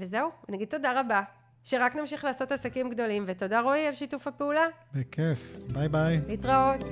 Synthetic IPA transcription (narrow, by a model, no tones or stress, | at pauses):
vezeuanaɡid̪̚t̪ːodaʁaba | ʃeʁaknamʃiχlaːso̞tasakimɡdo̞limveto̞daʁoialʃitufapeulabekʰefbajbajitʁaot